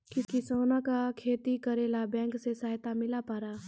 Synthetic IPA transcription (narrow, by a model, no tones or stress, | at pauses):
kɪskisoːnakakʰeːt̪ikəɾeːlabɛ̃ːŋksesaːɦt̪amɪlapaːɾaː